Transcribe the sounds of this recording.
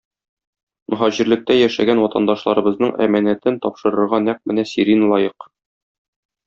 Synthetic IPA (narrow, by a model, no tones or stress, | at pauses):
mʔɵ̆ɦæʑɘ̆ɾlɘ̆k̚t̪æjæʃæ̰ɡænwɒt̪ɑnd̪ɑʃlˠɑɾɤ̆bɤ̆znɤɴʔæ̰mænæt̪ɘnt̪ɒpʃɤ̆ɾɤ̆ɾʁɑnæq̚mɘnæsiɾinlˠɒjɤq